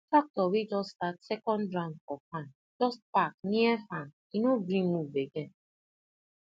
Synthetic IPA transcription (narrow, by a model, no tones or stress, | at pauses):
fak̚tɔwid͡ʒɔstatsɛkɔ̃ndɾãɔfãn | d͡ʒɔst̚pakniɛfãn | inoɡɾĩmubeɡe